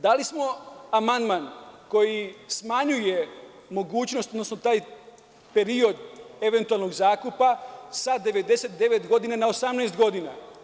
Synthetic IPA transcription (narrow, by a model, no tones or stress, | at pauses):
d̪alismo̞amand̪manko̞jismaɲuje̞ | mo̞ɡuːt͡ɕnost̪od̪nosnot̪aːj | pe̞ɾio̞d̪e̞ʋe̞nt̪ualˠno̞ɡzaːkupasad̪e̞ʋe̞d̪e̞set̪̚d̪e̞ʋet̪ɡo̞d̪inanaosamnɛːst̪ɡo̞d̪ina